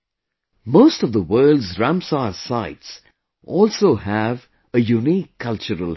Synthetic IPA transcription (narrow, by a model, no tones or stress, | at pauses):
moːstʌvðəwɜːldzɹãmsasaɪts | ʔɔːlsoːhæv | əjuniːkʰːʌlt͡ʃəɾəl